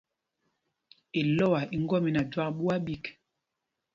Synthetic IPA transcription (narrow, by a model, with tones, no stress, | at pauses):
e˨lɔ˦˨wa˨ʔi˦ŋ˦ɡɔ˦˨mi˦na˨dwa˦kɓu˦a˦ɓi˦k